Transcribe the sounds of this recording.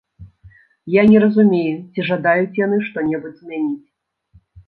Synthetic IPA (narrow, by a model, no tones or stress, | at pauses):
janʲɛɾɐzumʲejut͡sʲiʐad̪ajut͡sʲjanɨʂt̪ɔnʲɛbud͡zʲzmʲɛnʲit͡sʲ